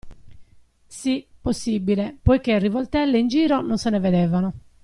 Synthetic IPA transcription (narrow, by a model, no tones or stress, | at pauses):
siposːibilepojkerːivɔlt̪ɛlːeind͡ʒiːɾɔnonsɛnɛvɛd̪ɛːvanɔ